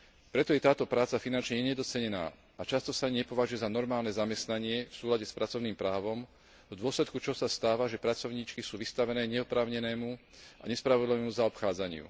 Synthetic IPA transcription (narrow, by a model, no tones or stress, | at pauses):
pɾɛt̪ɔjɛt̪aːt̪ɔpɾaːt͡safinant͡ʃɲɛɲɛd̪ɔt͡sɛɲɛna̰ː | at͡ʃast̪ɔsaɲɛpɔʋaʒujɛzanɔɾmaːlnɛzamɛst̪naɲɪɛfsuːlaɟɛspɾat͡sɔʊniːmpɾaːʋɔm | vd̪ʊɔslɛt̪kut͡ʃɔsast̪aːʋaʒɛpɾat͡sɔʊɲiːt͡ʃkisuːʋist̪aʋɛnɛːɲɛɔpɾaːʊɲɛnɛːmu | ʔa̰ɲɛspɾaʋɔd̪liʋɛːmuzaɔpxaːd͡zaɲɪṵ